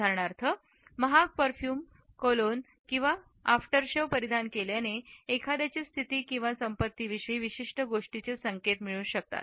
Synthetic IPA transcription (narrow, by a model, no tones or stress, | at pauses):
aɾɳaɾt̪ʰə | məɦapəɾfjuːm | kolon | kĩw̃ʋa | afʈəɾɕəʋpəɾid̪ʱankeljaneːkʰad̪jat͡ɕiːst̪ʰit̪iːkĩw̃ʋasəmpət̪ːiʋiʂəiʋiɕiʂʈəɡoʂʈit͡ɕesəŋket̪miɭũnɕək̚t̪a̰t̪̚